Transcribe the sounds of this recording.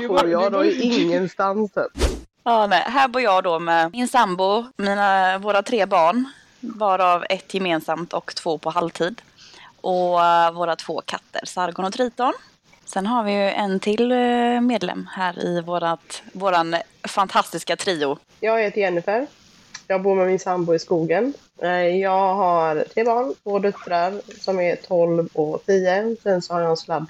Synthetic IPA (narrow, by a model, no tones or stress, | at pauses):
ojɑd̪ɔɪɪŋːənst̪ansɛ̰ | ɑːnɛjɦæːɾbʊːɾjɑːd̪ɔmɛɪnsambʊmiːnavoːɾat̪ʰɾeːbɑːɳ | bɑːɾaavɛt̪ːjɛmeːnsamt̪ʰɔ̰kt̪ʰv̥oːpʰɔhalt̪ʰiːd̪ | ʔɔvoːɾat̪ʰv̥oːkʰat̪ʰːə̰ɾsaɾɡɔɳɔt̪ʰɾiːt̪ɔɳ | sɛnɦaɾvɪjʔɛnt̪ʰɪlmeːd̪lɛ̰mːhæːɾɪ̰voːɾat̪voːɾan | fant̪ʰast̪ɪskat̪ʰɾiːʊ | jɑːɡhɛːt̪əɾɛnːɪfɛɾ | jɑːɡ̚buːɾmɛmɪnsambʊɪskuːɡən | jɑːɡɦaɾt̪ʰɾeːbɑːɳvoːd̪œt̪ːɾaɾsɔmɛt̪ʰɔlvɔt̪ʰiːəsɛnsɔhaɾjɑslab̪